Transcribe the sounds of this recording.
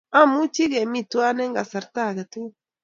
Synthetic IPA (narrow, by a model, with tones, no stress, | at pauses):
a˦mu˦t͡ʃi˦ɣe˨mi˧t̪u˦a˦ne˦ŋɡa˨sa˨ɾt̪a˦˨ɣa˨t̪u˦